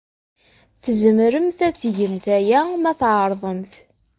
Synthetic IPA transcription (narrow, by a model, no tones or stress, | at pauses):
θəzəmɾəmθæt͡sːʝəmθæjæmæθʕəɾˤðˤəmθ